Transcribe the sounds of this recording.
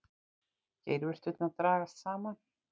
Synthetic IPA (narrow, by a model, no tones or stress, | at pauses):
cḛːjɾvɛr̥t̪vʏt̪naðt̪ɾaːɣast̪saːman